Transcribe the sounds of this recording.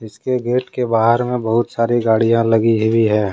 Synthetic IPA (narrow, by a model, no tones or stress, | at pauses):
ɪskeɡeːʈkebaːɦəɾmẽbɐɦʊt̪saːɾiɡaːɽijãlɐɡiɦbʱiɦɛ̃ː